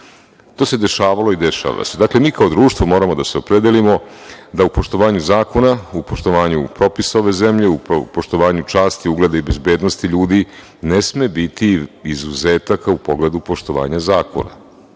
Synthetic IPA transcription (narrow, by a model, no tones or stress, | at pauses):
t̪o̞ːse̞d̪e̞ʃaːʋalo̞id̪eʃa̰ʋa̰se̞d̪akle̞miːkao̞d̪ɾuːʃt̪ʋo̞mo̞ɾamo̞d̪ase̞o̞pɾed̪elimo̞d̪aupo̞ʃt̪o̞ʋaːɲuzaːko̞naupo̞ʃt̪o̞ʋaːɲupɾo̞pisaoʋe̞zemʎe̞upoʃt̪o̞ʋaːɲut͡ʃaːst̪iuɡle̞d̪aibe̞zbeːd̪nost̪iʎuːd̪i | nesmebit̪iizuzeːt̪akaupo̞ɡled̪upo̞ʃt̪o̞ʋa̰ːɲazaːko̞̰na̰